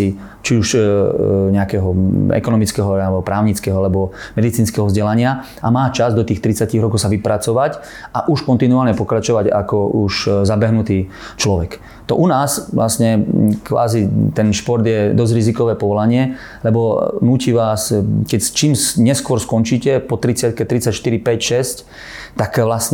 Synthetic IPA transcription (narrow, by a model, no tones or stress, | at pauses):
i | t͡ʃiuʃ | ɲɛakɛɦɔɛ̰kɔnɔmit͡skɛɦɔalɛbɔpɾaːʊɲit͡skɛɦɔalɛbɔmɛd̪it͡siːnskɛɦɔvzɟɛlaɲɪa | ʔamaːt͡ʃazd̪ɔt̪iːxt̪ɾit͡saciɣɾɔkɔʊsaʋipɾat͡sɔʋac | ʔaʔuʃkɔnt̪inuaːlɲɛpɔkɾat͡ʃɔʋaɟa̰kɔuʃzabɛɦnut̪iː | t͡ʃlɔʋɛk | t̪ɔ̰ʔunaːsʋlasɲɛkʋa̰ːzit̪ɛnʃpɔɾd̪jɛd̪ɔzɾizikɔʋɛːpɔʋɔlaɲɪɛ | lɛbɔnuːciːʋaːskɛct͡ʃiːmsɲɛskʊɔɾskɔnt͡ʃiːcɛpɔt̪ɾit͡sɪat̪̚kɛt̪ɾit͡sacʃt̪iɾipɛcʃɛsc | t̪akʋlasɲɛ